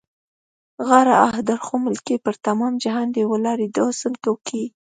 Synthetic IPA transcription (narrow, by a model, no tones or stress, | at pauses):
ɣaɾaahd̪aɾxomɪlkepəɾt̪amɑmd͡ʒaɦɑnd̪ewəlɑɾid̪osənt̪okʰi